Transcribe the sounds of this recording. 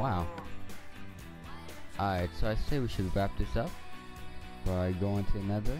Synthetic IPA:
waʊ | ʔaɪtsoʊaɪseɪwiʃɨd̚ibæp̚tɨsʌp̚ | fə˞aɪɡoʊɪ̃ŋtʰɨɨnʌðə˞

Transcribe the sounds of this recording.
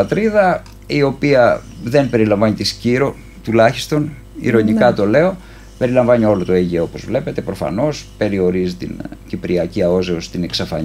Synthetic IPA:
ɐt̪ɾiðɐ | io̞piɐ | ðe̞npe̞ɾilɐɱvɐnit̪isciɾo̞ | t̪ulɐçist̪o̞n | ḭɾo̞nikɐt̪o̞le̞o̞ | pe̞ɾilɐɱvɐɲio̞lo̞t̪o̞eʝo̞po̞zvle̞pe̞t̪e̞pɾofɐ̰no̞spe̞ɾio̞ɾizit̪ḭncipɾiɐciɐo̞zeost̪ine̞ksɐfɐɲ

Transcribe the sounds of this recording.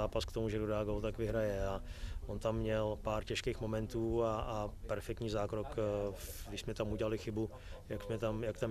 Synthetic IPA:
aːpaskt̪omuʒɛdodaːɡolt̪akvɪɦɾajɛaʔont̪amːɲɛlpaːɾcɛʃkeːxmo̞mɛnt̪uːaːpɛɾfɛkt̪ɲiːzaːkɾok | ɡdɪʃsmɛt̪amuɟɛlalɪxɪbu | jaksmɛt̪amjakt̪am

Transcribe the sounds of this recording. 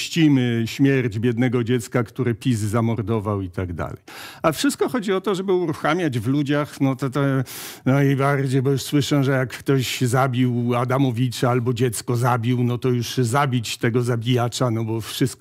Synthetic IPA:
ɕt͡ɕimɘɕmʲjɛɾd͡ʑbʲjɛd̪nɛɡɔd͡ʑɛt̪skakt̪uɾɛpʲizzamɔɾd̪ɔvawit̪aɡd̪a̰lɛ̰jafʂɘst̪̚kɔxɔd͡ʑiɔt̪ɔʐɛbɘuɾuxamʲjad͡ʑvlud͡ʑaxnɔt̪ɔt̪ɛnajbaɾd͡ʑejbɔjuʂswɘʂɛʐɛjakːt̪ɔɕzabʲiwad̪amɔvʲit͡ʂaalbɔd͡ʑɛt̪skɔzabʲiwnɔt̪ɔjuʂzabʲit͡ɕt̪ɛɡɔzabʲijat͡ʂanɔbɔfʂɘst̪

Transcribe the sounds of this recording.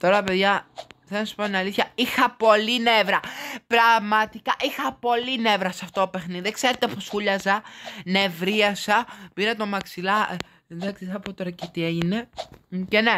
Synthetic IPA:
t̪o̞ɾɐɐpeðʝɐθenɐsu̥poneɐliθçɐixɐpo̞linevɾɐpɾɐɣmɐt̪ikɐʔixɐpo̞line̞vɾɐsɐft̪oope̞xniðiekseɾet̪eposxuʎɐzɐne̞vɾiɐsɐpiɾɐt̪o̞mɐksilɐ | d̪ɐksiθɐpot̪o̞ɾɐcet̪ie̞ʝinecene̞

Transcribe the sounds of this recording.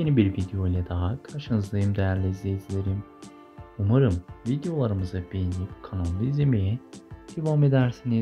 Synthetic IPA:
jenibiɾvid̪ejo̞jlʲɛd̪aɦakʰaʃɯnɯzlˠɯjɯmd̪ejæɾlʲeizlʲezilʲeɾim | umaɾɯmvid̪ejo̞lˠaɾɯmɯzabejinʲijipkʰanalˠːɯizlʲemejɛd̪̥evaːme̞d̪æɾsini

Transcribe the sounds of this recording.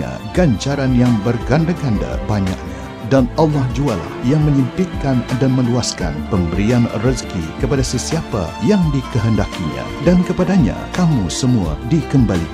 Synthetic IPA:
a̰ | ɡaɲt͡ʃaɾanjaŋbərɡandaɡanda̰baɲa̰ʔ̚ɲa̰ | danɑlːahd͡ʒuala̰hjaŋmə̃ɲimp̪ikːandanmə̃luaska̰npəmbəɾianrəzkḭkəpadasəsiapa̰jaŋdikəɦəndakiɲã̰dankəpadaɲa̰kamusəmua̰dikəmbali

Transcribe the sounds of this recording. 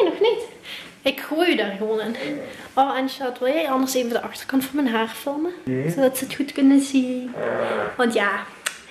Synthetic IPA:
nɔxnit | ɪkxoːjydaːrɣəʋoːnan | ɔlˠɛnʃatʋɪlˠjɛjɑndərseːvədəʔɑxtərkɑntfɔnmɛnɦaːrfɪlˠməzodɑtsəətxutkɵnənzin | ʋɑntjaː

